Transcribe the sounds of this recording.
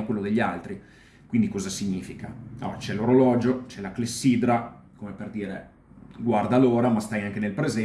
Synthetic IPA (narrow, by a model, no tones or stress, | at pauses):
okwelːod̪eʎːialt̪ɾi | kwind̪ikɔːzasiɲːiːfikaɔ̰t͡ʃɛloɾolɔːd͡ʒot͡ʃɛlaklesːid̪ɾa | komeperd̪iːɾe | ɡward̪aloːɾamast̪ajaŋkenelpɾezɛ